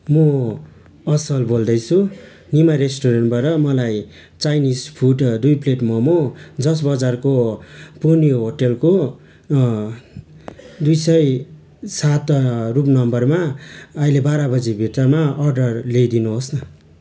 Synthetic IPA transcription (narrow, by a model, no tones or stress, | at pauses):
mʌ | ʌsʌlbold̪ʌjt͡sʰu | nimaɾesʈoɾenʈbʌɾʌmʌlaj | t͡sajnispʰuʈd̪ujpleʈmʌmod͡zʌs̬bʌd͡zarkopunijoɦoʈelko | d̪ujsʌj | sat̪rup̬nʌmbʌrmaʌilebaɾabʌd͡zibʱiʈ̪ʌrmaʌrɖʌrlejd̪inuɦosnʌ